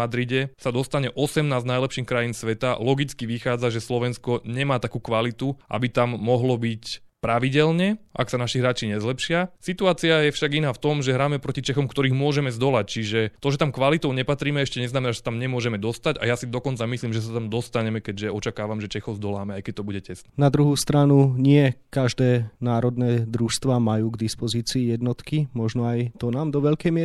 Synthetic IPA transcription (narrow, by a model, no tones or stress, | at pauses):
ad̪ɾiɟɛsad̪ɔst̪aɲɛʔɔsɛmnaːznajlɛpʃiːxkɾajiːnsʋɛt̪alɔɡit͡skiʋixaːd͡zaʒɛslɔʋɛnskɔɲɛmaːt̪akuːkʋalit̪uʔa̰bit̪amːɔɦlɔbic | pɾaʋiɟɛlɲɛʔa̰ksanaʃiɦɾaːt͡ʃiɲɛzlɛpʃɪasit̪uaːt͡siajɛfʃaɡinaːft̪ɔmʒɛɦɾaːmɛpɾɔcit͡ʃɛxɔmkt̪ɔɾiːɣmʊɔʒɛmɛzd̪ɔlac̚t͡ʃiʒɛt̪ɔʒɛt̪amkʋalit̪ɔʊɲɛpat̪ɾiːmɛɛʃcɛɲɛznamɛnaːʒɛsat̪amɲɛmʊɔʒɛmɛd̪ɔst̪aɟa̰jasid̪ɔkɔnt͡samisliːmʒɛs̬at̪amd̪ɔst̪aɲɛmɛkɛɟʒɛɔt͡ʃakaːʋamʒɛt͡ʃɛxɔzd̪ɔlaːmɛajkɛc̚t̪ɔbuɟɛcɛst̪nɛnad̪ɾuɦuːst̪ɾanuɲɪɛkaʒd̪ɛːnaːɾɔd̪nɛːd̪ɾuʃst̪ʋaːmajuːɡd̪ispɔziːt͡siːjɛd̪nɔt̪kimɔʒnɔajt̪ɔnaːmd̪ɔʋɛʎkɛjmɪɛ